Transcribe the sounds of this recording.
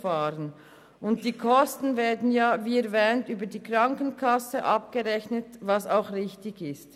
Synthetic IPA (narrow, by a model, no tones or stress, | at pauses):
faːɾən | ʊnt̚d̥iːkʰɔstn̩vɛːɐdn̩jaːviːɛɾvɛːntyːbədiːkʁɑŋkənkʰɑsəʔɑp̚ɡ̥əʁɛçnətvɑsaʊxʁɪçtɪɡɪst